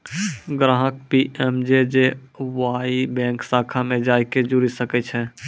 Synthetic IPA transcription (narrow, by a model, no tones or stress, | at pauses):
ɡɾãːɦək̚piʔɛmd͡ʒed͡ʒe | waibɛ̃ːŋksaːkʰamẽd͡ʒaːjked͡ʒuɾisəkɛt͡ʃʰɛ